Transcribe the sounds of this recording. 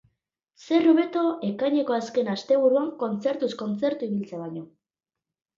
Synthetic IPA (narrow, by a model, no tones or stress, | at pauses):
se̞roβe̞t̪o̞ʔe̞kajɲe̞ko̞aske̞nast̪e̞β̞uɾuaŋko̞nt͡se̞ɾt̪usko̞nt͡se̞ɾt̪uiβilt͡seβajɲo̞